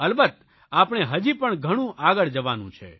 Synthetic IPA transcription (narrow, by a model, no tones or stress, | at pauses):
əlbət̪̚ | apɳ̃eɦəd͡ʒipəɳɡʱəɽ̃ũʔaɡəɭd͡ʒəʋanṵ̃t͡ʃʰḛ